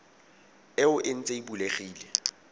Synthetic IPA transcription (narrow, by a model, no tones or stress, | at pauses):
ɪʊʔɪn̩t͡sʼeibuleχiːle